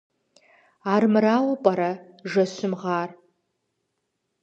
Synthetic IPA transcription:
aːrmɨɾaːwɐpʼɐɾɐʒɐɕɨmʁaːr

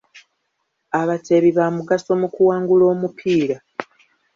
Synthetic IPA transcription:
aβate̞βiβamuɡaso̞mukuwaːŋɡulo̞ːmupʰiːɾa

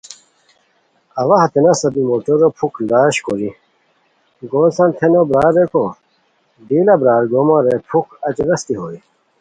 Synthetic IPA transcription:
ɐʋaɦɐt̪enɐsɐbimoːʈoɾopʰukʰlaːɕkoɾi | ɡoːlsɐ̃nt̪ʰenobɾaːɾːekʰo | d̪iːlabɾaːɾɡoːmãɾepʰukɐt͡ɕɾɐst̪iɦoːi

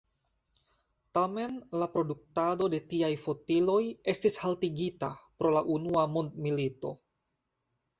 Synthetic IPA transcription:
tame̞nlapɾo̞duk̚tado̞de̞tiajfo̞tilo̞je̞stishaltiɡitapɾo̞laʔunuamondmilito̞̰

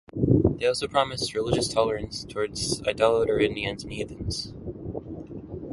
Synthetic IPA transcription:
ðeɪɔlˠsoʊpʰɹ̥ɑmɨst̚ɹɨlɪd͡ʒɨstʰɑlˠə˞ɨ̃nstʰɔɹdz̥a̰ɪdɑlˠəɾə˞ɪ̃ndiɨ̃nzniðɨ̃nz̥

